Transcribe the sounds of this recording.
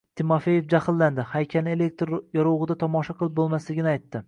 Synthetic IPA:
t̪ʰɪmofe̞jefd͡ʒahɪlːand̪ɪhajkʲʰalɪe̞lek̚ʲt̪ɾjɒɾoʁɨd̪at̪ʰɒmɒʃaqʰɨlˠɪp̚bolˠmaslɪɡʲɪnɪajt̪ːɪ

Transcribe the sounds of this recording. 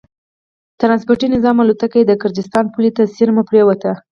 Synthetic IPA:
t̪ɾɑnspʊɾʈinɪzɑmalot̪akajed̪əɡəɾd̪ɪst̪ɑnpulit̪asiɾmapɾewat̪a

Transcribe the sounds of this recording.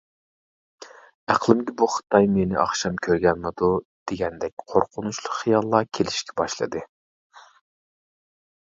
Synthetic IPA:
æqlˠɨmɡʲɛbuχɨ̥t̪ʰɑjmenɪ̰ʔɑ̰χʃɑmkʲʰøɾɡʲɛnmɪd̪ud̪̥eɡʲɛnd̪ɛk̚ʲqʰoɾqʰʊnut͡ʃlˠʊqχijɑlˠːɑkʲʰelɪʃkʲɛ̥bɑʃlˠɨ̰d̪ɨ

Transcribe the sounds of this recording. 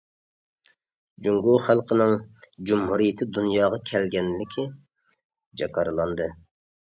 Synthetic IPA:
d͡ʒuŋɡuχælˠqʰənɨŋd͡ʒumhuɾijɪt̪ʰɪd̪unjɑːʁɑkʲʰɛlɡʲɛnlɪkʲʰi | d͡ʒɑkʰɑɾɨlˠɑnd̪ɨ

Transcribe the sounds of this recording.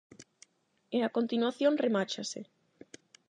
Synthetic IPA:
eakont̪inwaθjonremat͡ʃasḛ

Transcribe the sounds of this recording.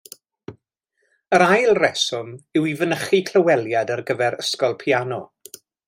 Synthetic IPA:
əɾajlˠrɛsɔmɪwivənəχikʰl̥ˠəwɛlˠjadərɡəvɛɾəskɔlˠpʰianɔ

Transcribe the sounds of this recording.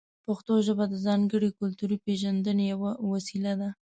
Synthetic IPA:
paxt̪oʒəbad̪əzɑŋɡəɽikʊlt̪uɾipeʒand̪ənejawawasilad̪a

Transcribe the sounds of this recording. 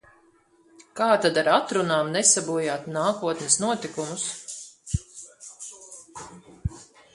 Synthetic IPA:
kaːt̪ad̪aɾat̪ɾunaːmnɛsabuɔjaːt̪naːkuɔt̪nɛsnuɔt̪ikumus

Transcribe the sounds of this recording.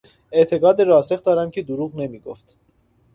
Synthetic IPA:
ɛt̪ʰɛɡɑd̪ɛɾɔɑsɛχt̪ɑɾɑŋkʰid̪uɾuʁnɛmiɡɔ̰ft̪ʰ

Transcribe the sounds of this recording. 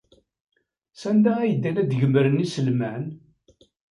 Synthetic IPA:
sænd̪ææjəd̪ːænæd̪ʝəmɾənisəlman

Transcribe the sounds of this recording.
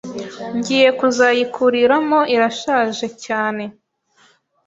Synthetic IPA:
ɲɟiːje̞kuzaːjikʰuɾiɾamo̞ʔiɾaʃaːʒe̞caːne̞

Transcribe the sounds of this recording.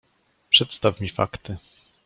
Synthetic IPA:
pʂɛt̪st̪afmʲifa̰kt̪ɘ

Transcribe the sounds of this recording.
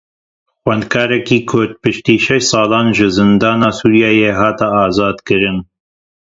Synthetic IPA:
xwɛnd̪kʰɑːɾɛkiːkʰʊɾd̪̚pɨʃt̪iːʃɛʃsˤɑːlɑːnʒɨzɨnd̪ɑːnaːsuːɾjɑːjeːɦɑːt̪aːzɑːd̪kɨɾɨn

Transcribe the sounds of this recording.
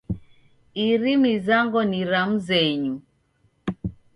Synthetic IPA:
iɾimizaŋɡɔniɾam̩zɛɲu

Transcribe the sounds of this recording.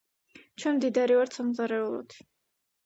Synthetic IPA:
t͡ʃʰwɛnmd̪id̪aɾivaɾt̪samzaɾɛulˠɔ̰d̪̥

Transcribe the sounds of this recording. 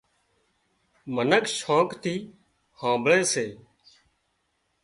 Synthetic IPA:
mənəkʃoːkt̪ʰiː | hãːbɭẽːseː

